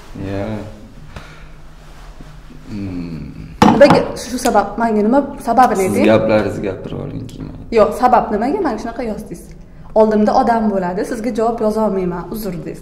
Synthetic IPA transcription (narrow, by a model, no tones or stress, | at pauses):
ja | nɪmaɡʲaʃʊsabapmaŋɡʲanɪmasababɪned̪ɪɡʲaplaɾɪzɡʲa̰pʰɪɾɒ̰lˠɪ̰ŋkʲʰɪma̰joqsabapnɪmaɡʲamaŋʲʃʊnaqʰɑjɒzd̪ɪs | ɒlˠd̪ɪmd̪aʔɒd̪ambolad̪ɪsɪzɡʲad͡ʒavɒpjɒzɒlˠmajmanʊzʊɾd̪ɪz̥